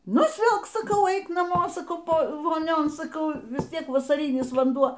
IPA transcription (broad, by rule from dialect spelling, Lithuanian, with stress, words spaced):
nʊsʲˈʋʲɪlˠk sɐˈkɐʊ ˈɛɪk nɐˈmoː sɐˈkɐʊ ˈpoː ʋoːˈnʲoːn sɐˈkɐʊ ʋʲɪs ˈtʲiɛk ʋɐsɐˈrʲiːnʲɪs ʋɐnˈduɔ